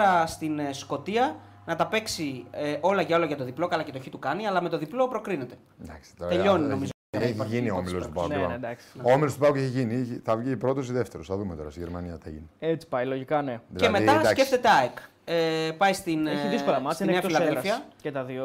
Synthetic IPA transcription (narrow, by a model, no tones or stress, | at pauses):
ɾɐst̪insko̞t̪iɐ | nɐt̪ɐpe̞ksieʔo̞lɐʝɐo̞loʝɐt̪oðiplo̞kɐlɐce̞t̪oçit̪ukɐniɐlɐme̞t̪o̞ðiplo̞pɾo̞kɾine̞t̪e̞ | d̪ɐkst̪t̪oɾt̪eʎo̞nninomzoiʝinioomilost̪upanɐed̪ɐksoomilost̪upɐoeçiʝiniθɐvʝipɾo̞t̪osiðeft̪eɾosθɐðumet̪o̞ɾɐst̪iʝeɾmɐniɐt̪ḛʝiniet͡si̥pɐjloʝikɐneðilemet̪ɐd̪sɐce̞ft̪e̞t̪eɐek | epɐjst̪ineçiðiskolɐmɐsinneɐfilɐðelfiɐcet̪ɐðio